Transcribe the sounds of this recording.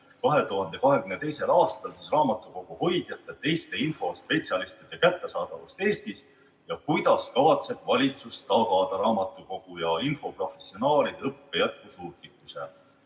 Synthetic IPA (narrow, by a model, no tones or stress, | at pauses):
kɑɦe̞t̪uɦɑnd̪e̞kɑɦe̞kymne̞t̪e̞jse̞lɑːst̪ɑlsisrɑːmɑt̪ːˑuko̞ɡ̥uho̞jd̪̥jɑt̪ːˑet̪e̞jst̪einfo̞spe̞t̪siɑlist̪id̪ekæt̪ːe̞sɑːd̪̥ɑvust̪e̞ːst̪is | jɑkujd̪̥ɑskɑvɑt̪se̞b̥vɑlʲit̪sust̪ɑɡɑd̪̥ɑɾɑːmɑt̪ːˑuko̞ɡ̥ujɑinfo̞pro̞fe̞sio̞nɑːlid̪ɤpːe̞jæt̪̚kusuːt̪likːˑuse